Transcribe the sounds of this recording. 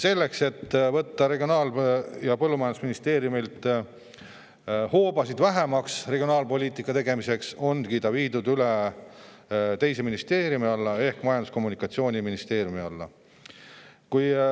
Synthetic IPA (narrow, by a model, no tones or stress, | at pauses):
se̞lːe̞kse̞t̪ːvɤ̞t̪ːɑɾe̞ɡio̞nɑːljɑpɤlːumɑjɑnd̪u̥sminist̪e̞ːɾjumilt̪ | hoːbɑsid̪væɦe̞mɑksreɡijo̞nɑːlpo̞lʲiːt̪ˑikːˑɑt̪e̞ɡ̥e̞mise̞kso̞nkit̪ɑviːd̪ud̪yle | t̪e̞jse̞minist̪e̞ːɾjumiɑlːɑe̞hkmɑjɑnd̪usko̞mːunikːˑɑt̪sio̞ːnʲiminist̪e̞ːɾjumiɑlːɑ̰ | kuj